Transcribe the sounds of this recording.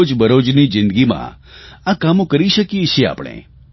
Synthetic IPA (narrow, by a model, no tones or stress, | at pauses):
d͡ʒbəɾod͡ʒnid͡ʒɪ̃nd̪ɡimã̰ | akamõkəɾiʃəkiet͡ʃʰea̰pɳ̃ḛ̃